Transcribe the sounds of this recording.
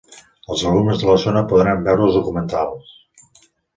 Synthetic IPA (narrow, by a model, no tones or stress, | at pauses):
əlˠzəlumnəzðələzonəpuðɾambɛwɾuəlˠzðukumənt̪alˠs